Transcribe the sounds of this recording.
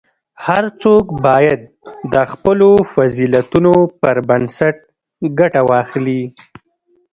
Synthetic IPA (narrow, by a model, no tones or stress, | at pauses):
haɾt͡sokbɑjad̪̚ː | əxpəlofazilat̪unopəɾbansaʈ̚ | ɡaʈawɑxli